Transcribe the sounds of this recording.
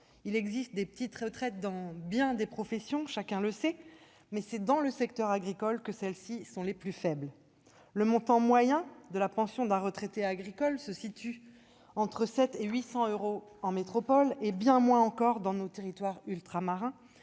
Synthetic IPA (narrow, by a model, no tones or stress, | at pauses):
ilɛɡzist̪̚d̪epə̥t̪it̪χət̪χɛt̪̚d̪ɑ̃bjɛ̃d̪epχɔfɛsjɔ̃ʃakʲɛ̃ləsɛ | mɛsɛd̪ɑ̃ləsɛkt̪œʁaɡʁikɔlkəsɛlsisɔ̃leplyfɛbl | ləmɔ̃t̪ɑ̃mwajɛ̃d̪əlapɑ̃sjɔ̃d̪ɛ̃ʁət̪χet̪eaɡʁikɔlsəsit̪y | ɑ̃t̪χəsɛt̪eɥisɑ̃øʁoɑ̃met̪χɔpɔlebjɛ̃mwɛ̃ɑ̃kɔʁd̪ɑ̃not̪eʁit̪waʁylt̪χamaʁɛ̃